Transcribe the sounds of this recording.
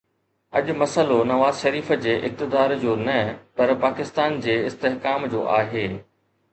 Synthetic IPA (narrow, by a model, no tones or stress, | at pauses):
ɐʄmɐsəlonɐʋaːzʃɐɾiːfə̆d͡ʑeːʔɪk̚t̪ɪd̪aːɾd͡ʑoːnɐpɐɾpaːkɪst̪aːnd͡ʑeːɪst̪eɦkaːmd͡ʑo̰ːʔaːɦeː